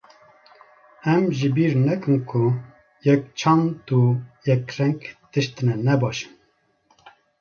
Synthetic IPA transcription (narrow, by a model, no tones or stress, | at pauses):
ɛmʒibiɾnɛkɨnkʰʊ | jɛk̚t͡ʃʰɑnd̪ujɛkɾɛŋkt̪ɨʃt̪ɨnɛnɛbɑːʃɨ̥m